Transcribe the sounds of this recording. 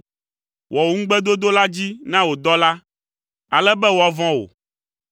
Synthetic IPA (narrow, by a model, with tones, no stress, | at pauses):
wʔɔ˨wo˦ŋ̩̃˦ɡ͡bɛ˦d̪o˦d̪o˦la˦d͡ʑi˦nã˦wo˨d̪ɔ˦la˦ | a˨lɛ˦bɛ˦wo˨a˨vɔ̃˦wo̰˨